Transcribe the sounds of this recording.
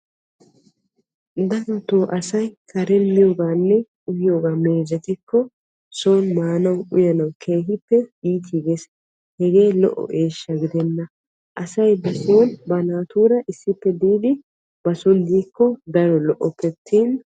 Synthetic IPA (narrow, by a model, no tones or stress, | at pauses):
d̪ɐɾt̪ːoːʔɐsɐjkʰɐɾɛnɪjoːɡaːnːɛ | ʊhɪjoːɡaːme̞ːd͡ʒɐt̪ɪkːɔ | soːnmaːnɐwʊjɐnɐwkʰe̞ːɦɪpːɛiːt̪ʰiːɡes | hɛɡe̞ːlɔ̰ʔɔ̰ʔeːʃːɐɡɪd̪ɛnːɐ | ʔɐsɐjbɐsoːnbɐnaːt̪uːɾɐʔɪsːɪpːɛd̪iːd̪ɪ | bɐsʊnd̪iːkːɔd̪ɐɾɔlɔʔɔpːɛt̪ʰːiːn